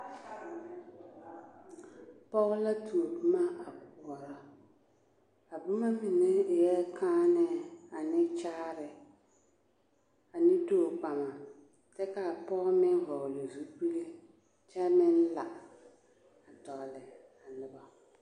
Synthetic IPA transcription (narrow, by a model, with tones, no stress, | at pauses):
pɔ˦ɣʊ˦la˦tu˨o˨bʊ˦ma˦a˨k̚ʊ˨ɔ˨ɾɔ˨ | a˨bʊ˦ma˦mi˨ne˦˨jɛ˦kʰaː˦nɛ˦˨a˨nɪ˦t͡ʃaː˦ɾɪ˨ | a˨nɪ˦doː˦˨k͡pa˨ma˨ | tɛ˦ka˨pɔ˦ɣmɪ˦n˦vɔ˨ɣlɪ˨zu˦bi˦le˦ | t͡ʃɛ˦mɪ˦n˦la˨ | a˨tɔ˨lɪ˨ | a˨nɪ˨ba˨